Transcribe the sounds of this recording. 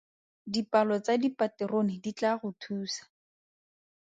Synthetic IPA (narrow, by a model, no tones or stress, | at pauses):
dipalɔt͡sadipatɛronɪdit͡ɬaɣʊtʰuːsḁ